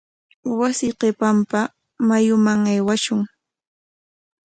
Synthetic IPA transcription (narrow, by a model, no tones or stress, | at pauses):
wasɪqepampa | majʊmaŋajwaʃʊŋ